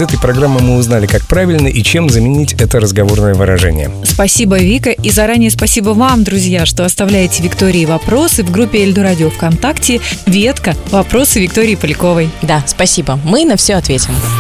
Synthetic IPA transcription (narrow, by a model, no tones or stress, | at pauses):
ɛt̪əjpɾɐɡɾamːɨmɨʊznalʲɪkak̚pɾavʲɪlʲnəʔit͡ɕemzəmʲɪnʲitʲɛt̪əɾəzɡɐvo̞rnəjəvɨɾɐ̰ʐɛ̰nʲɪ̰jə̰spɐsʲibəvʲikəʔizɐɾanʲɪjəspɐsʲibəvamd̪ɾʊzʲjaʂt̪o̞ɐst̪ɐvlʲæjɪtʲɪvʲɪkt̪o̞ɾʲɪːvɐpɾo̞sɨvɡɾupʲːɪɪlʲd̪ʊɾadʲɪofkɐnt̪aktʲɪvʲet̪kəvɐpɾo̞sɨvʲɪkt̪o̞ɾʲɪjpəlʲɪko̞vəjd̪aspɐsʲibəmɨnɐfsʲoɐt̪vʲetʲɪm